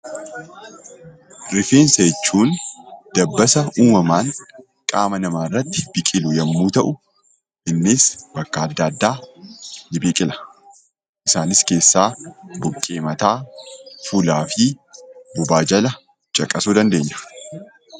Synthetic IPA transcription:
ɾɪfeːnsɐɛt͡ʃːuːnd̪̥ɐbːɐsɐuːmɐmaːŋ | kʼaːmɐnɐmaːrːɐt̪ːɪ̥bɪkʼɪlʊjɐmːuːt̪ɐʔʊ | ʔɪnːɪsbɐkːɐɐd̪ːɐɐd̪ːaː | lɪbikʼɪlɐ̥ | ʔɪsaːnɪske̞ːsːaːbʊkʼːe̞ːmɐt̪aːfuːlaːfɪbʊbaːd͡ʒɐlɐ | t͡ʃʼɐkʼɐsuːd̪ɐnd̪e̞ːɲːʊ̥

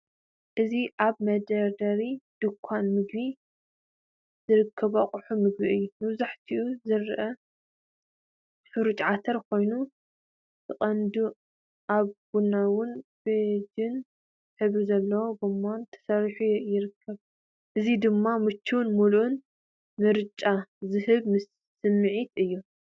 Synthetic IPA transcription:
ʔɨziʔaβmɐd̪ɐɾd̪ɐɾid̪̥ɨkʷʰːanmɨɡbi | zɨɾɨkʰːɐβaqʼʊħumɨɡbiɨjːumɐβzaħt̪ʰiʔuzɨɾʔɐ | ħɨɾut͡ʃʼʕat̪ʰɐɾkʰo̞jnu | tɨχʼɐnd̪u | ʔaβɡ̥unːawʊnbed͡ʒɪn | ħɨβɨzɐlːɐwobɨmːont̪ʰɐ̥sɐɾħujɪɾɨkʰːɐβ | ʔɨzid̪ɨmːamɨt͡ʃːuwnmulʔun | mɨɾt͡ʃʼazɨhɨβmɨsː | ɨmːɨʕit̪ɨjːu

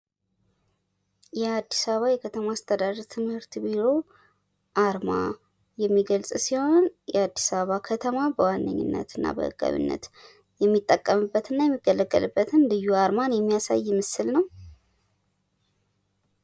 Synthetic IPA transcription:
jɛad̪ːisaβəβajɛkʰət̪ʰəmaːst̪ʰəd̪ad̪əɾt̪ʰɨmhɨɾt̪biɾo̞ | ʔaɾma̰ | jɛmːiɡəlsʼsiho̞njɛad̪ːisaβəβakʰət̪ʰəmabəwanːəɲːɪ̰nːə̰t̪ɨnːa̰bə̰hɨ̰ɡʼa̰βḭnːə̰t̪ | jɛmːit̪ʼːəkʼːəmɨbːət̪ɨnːajɛmːiɡːələɡʼːə̰lɨbːət̪ʰɨnlɨjːuaɾmanjɛmːijasa̰jːɛmɨsɨlnəw

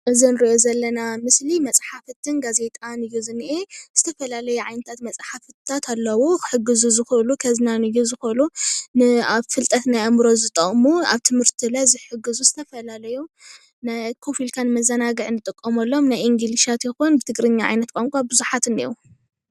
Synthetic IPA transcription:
ʔɨzinɨɾiʔozɐlːɐnamɨslimɐt͡sʼħaft̪ʰɨnɡaze̞t̪ʼanɨjːuzɨnʔez̥ɨt̪ʰɐfɐlalɐjuʕajnɐt̪ʰat̪mɐt͡sʼħafɨt̪ʰːat̪ʰalːɐwokħɨɡːɨzuzɨxɨʔlukʰɐznanɨjːuzɨxɨʔɨlunɨaβfɨlt̪ʼɐt̪najamɾo̞zɨt̪ʼɐχʼmua̰βt̪ʰɨmhɨɾt̪ʰilajzɨħɨɡːɨzuzɨt̪ʰɐfɐlalɐju | najkʰofilkʰanmɐzɐnaɡɨʕnɨt̪ʼɨkʼːɐmɐlːo̞mnajʔiŋɡiliʃat̪jɛxonbɨt̪ʰɨɡɾɨɲːaʕa̰jnɐt̪̚kʼoŋkʷʼabɨzuħat̪ɨnḭju

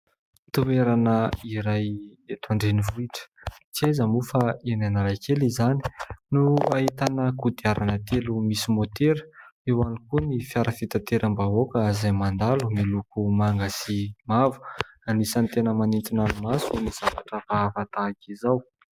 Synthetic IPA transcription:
t̪ueɾanəiɾajet̪uaɳɖ͡ʐenivuiʈ͡ʂə̥t͡siajzəmufaenanaɾajkelizani̥nuait̪anəkud̪iaɾanət̪elumisimot̪eɾə̥ewanikunifjaɾəfit̪at̪eɾambaokəzajmand̪alumilukumaŋɡasimavu̥ | anisant̪enəmanint̪inanumasuniz̥avaʈ͡ʂəfaavat̪akizaw

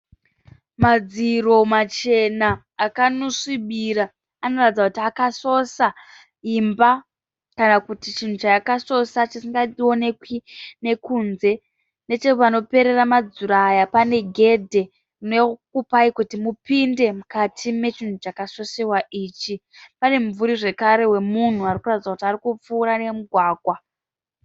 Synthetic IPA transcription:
mad͡ziro̞mat͡ʃe̞naː | kanoʂiɓiɾa | ano̞ratid͡zakutiakaso̞sa | imba | kanakutit͡ʃin̤ut͡ʃakaso̞sat͡ʃisiŋɡao̞ne̞kwine̞kunze̞ | ne̞t͡ʃeupano̞pe̞ɾe̞ramad͡zuɾaːjapane̞ɡʱe̞dʱe̞ | runoekupaikutimupinde̞mukatʰime̞t͡ʃin̤ut͡ʃakaso̞sewaʔiːt͡ʃipane̞ɱvuɾiʐe̞kaɾe̞we̞mun̤uarikuratid͡zakutiarikup͡fuːɾanemuɡʱwaːɡʱwa

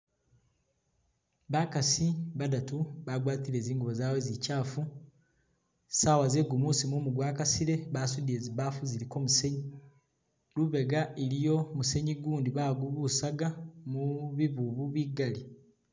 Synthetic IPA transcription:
βakasiβadatuβaɡwaːtiɾe̞ːziːŋɡuβozaːwe̞zicaːfu | saːwazeɡumuːsimumuɡwaːkasiɾe̞βaːsudie̞ziβaːfuziɾiko̞ːmuse̞ɲi | ɾuβe̞ɡaʔeɾijo̞muse̞ɲiɡuːndiβaɡuβusaɡamuβiβuβuβiɡali

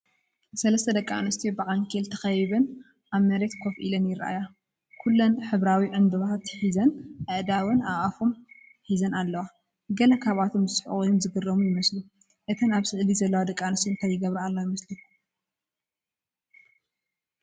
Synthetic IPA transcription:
sɐlɐst̪ʰɐd̪ɐkʼːaanɐst̪ʰijbɨʔʼankʰelt̪ʰɐxɐjβɐn | ʔaβmɐɾe̞t̪kʰofʔḭlɐnjɪɾʔa̰ja | kʰulːɐnħɨβɾawiʕɨnd̪ɨβaat̪ʰħizɐnʔɨʔd̪awɐnaʔafom | ħizɐnalːɐwa | ɡɐlɐkʰaβat̪ʰomɨsħʔojomzɨɡɨrɐmujɪmɐslu | ʔɨt̪ʰɐnaβsɨʕlizɐlːɐwad̪ɐkʼːaanɐst̪ʰint̪ʰajːɪɡɐβɾɐalːowjɪmɐsli

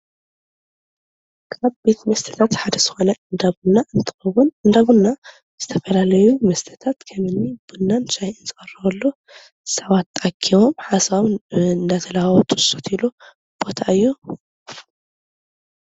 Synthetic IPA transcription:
kʰaβbe̞t̪mɐst̪ʰɐ̥t̪ʰat̪ħad̪ɐzɨxo̞nɐɨnd̪aβnːaʔɨnt̪ʰɨ̥xɐwunɨnd̪aβunːa | z̥ɨt̪ʰɐfɐlalɐjumɐst̪ʰɐt̪ʰat̪kʰɐmɨnːib̥ɨnːanʃajɨnzɨkʼɐrːɐwɐlːo | sɐβat̪ːakʰːiwomħasaβɨnd̪at̪ʰɐlawwɐt̪ʰʼɨsot̪ilu | b̥o̞t̪ʰaʔɨjːu

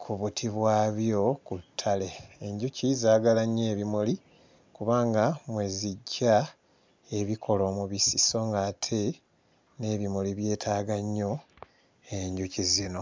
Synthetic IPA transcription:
kʰuβutʰiβwaːβjo̞kutʰːale̞eɲɟucizaːɡalaɲːeːβimoli | kuβaːŋɡamwe̞ːziɟːa | eβikʰo̞lo̞ːmuβisiso̞ŋɡaːtʰe̞ | ne̞βimoliβje̞ːtʰaːɡaɲːo̞ | eɲɟucizino̞

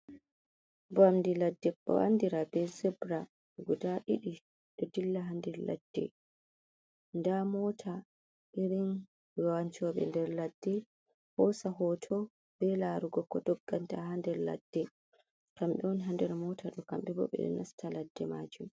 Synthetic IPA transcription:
bamdiladːɛkːɔ̰wa̰ndiɾabɛzɛbɾa | ɡɔdaʔiɗi | ɗɔdilːaɦandɛɾla̰d̥ːɛ̰ | ndamɔːtʰa | ʔiɾin | waɲt͡ʃɔɓɛ̰ndɛɾladːɛ | hɔsaɦɔtʰɔ | b̥ɛlaɾuɡɔkɔdɔɡːantaɦandɛɾla̰d̥ːɛ | kamɓɛwɔniɦandɛɾmɔtʰaɗɔkamɓɛbɔ̰ɓɛ̰ɗɛ̰nastʰaladːɛmaːd͡ʒum

